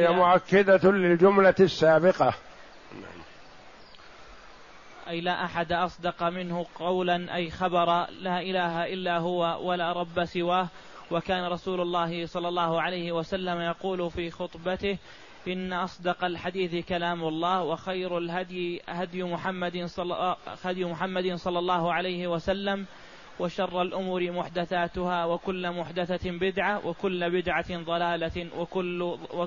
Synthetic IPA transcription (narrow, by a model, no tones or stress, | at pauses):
jamʊʕakːad̪alɪld͡ʒʊmlasːaːbɪqɑ | na̰ʕm | ʔajlaːʔaħad̪aʔɑsˤd̪ɑqɑmɪnhʊqɑwlanʔa̰jxɑbɑɾˤɑlaːʔɪlaːɦaʔɪlːaːɦʊwawalaːɾˤɑbːasɪwaːh | wakaːnaɾˤɑsuːlʊlˤːɑːɦɪsˤɑlːɑlˤːɑːhʊʕalajhɪwasalːamajɑquːlʊfiːxʊt̪ˤbat̪ɪh | ʔɪnːaʔɑsˤd̪ɑqalħad̪iːθkalaːmʊlˤːɑːhwɑxajɾalɦad̪jɪhad̪jmʊħamːad̪ɪ | had̪jmʊħamːad̪ɪnsˤɑlːɑlˤːɑːhʊʕalajhɪwasalːam | waʃɑrˤːɑlʔʊmuːɾɪmʊħd̪aθaːt̪ʊhaːwakʊlːmʊħd̪aθabɪd̪ʕawʔakʊlːbɪd̪ʕaðˤɑlaːlawʊl